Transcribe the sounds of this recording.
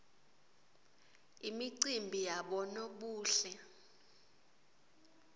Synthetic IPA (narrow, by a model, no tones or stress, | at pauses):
imiǀimbʱijaɓɔnoɓuːɬɛ